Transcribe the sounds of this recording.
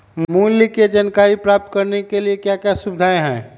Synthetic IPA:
mmulːiked͡ʒankaɾipɾap̚t̪̚kəɾnekeliekjakjasubɪd̪ʱaːẽɦɛ̰̃ː

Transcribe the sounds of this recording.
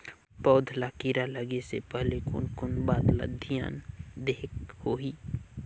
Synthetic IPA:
pɔʊd̪ʱlakiɾaləɡesepɛɦlekʊ̰nkʊnbaːd̪la̰d̪ʱija̰ːnd̪eːkhoːɦiː

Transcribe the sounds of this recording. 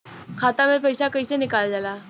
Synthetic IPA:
kʰaːt̪amẽpəjsakəjsenɪkaːld͡ʒalaː

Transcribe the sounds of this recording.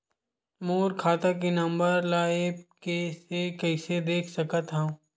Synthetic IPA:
moːɾkʰaːt̪ak̬inɐ̃mbəɾlaːekesekɐɪsed̪eːkʰsɐkət̪ɦã

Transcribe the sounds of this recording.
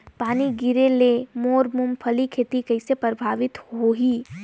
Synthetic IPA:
paːniɡiɾelemoːɾmumpʰəlikʰeːt̪ikɐɪsepɾəbʱaːʋɪt̪ɦoɦi

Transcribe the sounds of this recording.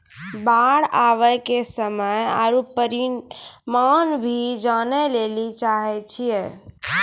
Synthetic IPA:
baɽaʋəjkesəməjaɾupəɾimanbʱid͡ʒanɛlelit͡ʃaɦɛt͡ʃʰije

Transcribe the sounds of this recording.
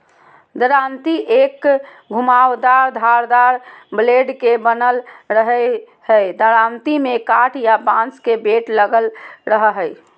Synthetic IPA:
d̪əɾant̪iʔek | ɡʱumawd̪aɾd̪ʱaɾd̪aɾbleɖkebənəlɾəɦə | həjd̪əɾant̪imekaʈʰjabãnt͡ʃkebeʈləɡəlɾəɦəɦəj

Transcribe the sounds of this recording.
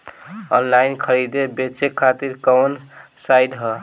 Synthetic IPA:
ɔnlainkʰəɾid̪ebet͡ʃekʰːat̪iɾkəwnsajɖɦə

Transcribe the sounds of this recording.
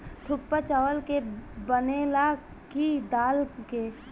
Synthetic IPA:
ʈ̪ʰʊpːət͡ʃəʋəlkebənela | kid̪aːlke

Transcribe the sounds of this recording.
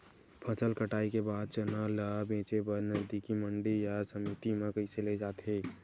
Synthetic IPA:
pʰɐsəlkəʈaːikebaːd̪̚t͡ʃənaːlabẽːt͡ʃebəɾnəzd̪ikimə̃ɳɖijasəmit̪imẽkəɪseled͡ʒaːt̪ɦeː

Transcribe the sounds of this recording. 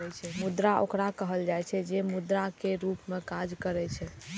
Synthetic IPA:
ɛt͡ʃʰɛmud̪ɾaʔo̰kɾakəɦəld͡ʒajt͡ʃʰɛd͡ʒemud̪ɾakeɾupmekad͡ʒkəɾɛt͡ʃʰɛ

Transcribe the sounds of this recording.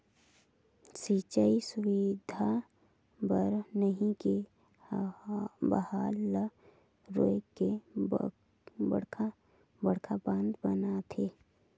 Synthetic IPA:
sit͡ʃəisʊwɪd̪ʱa | bəɾnəɦĩke | bə̰haːl | ɾo̰ːjke | bə̰ɽkʰa | bəɽkʰabãːnd̪bənat̪ʰeː

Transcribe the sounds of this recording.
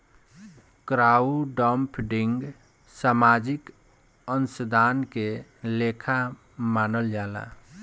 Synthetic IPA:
kɾauɖəmpʰɖɪŋɡ | saːmad͡ʒɪk | ənsəd̪ʱaːnkelekʰa | maːnəld͡ʒaːla̰

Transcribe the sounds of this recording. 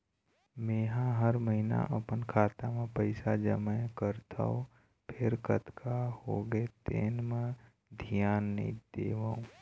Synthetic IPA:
mẽːɦãɦəɾməɦina̰ʔəpənkʰaːt̪amẽpəɪsad͡ʒə̰mɛ̃kəɾt̪ʰa̰o | pʰɪɾkət̪kʰahoːɡet̪ḛːnmẽ | d̪ʱijaːn̰ːḭ̃d̪eːʋaːũ

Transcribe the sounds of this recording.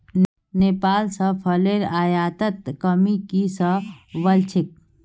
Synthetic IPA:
neːpaːlsəpʰɐleːɾaːjaːt̪ət̪̚kəmikisəʋəlt͡ʃʰɪk̚

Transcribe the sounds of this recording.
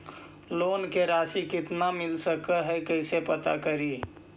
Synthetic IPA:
loːnkeɾaːsikɪt̪namɪlsəkəɦɛkəɪsepət̪a̰kəɾiː

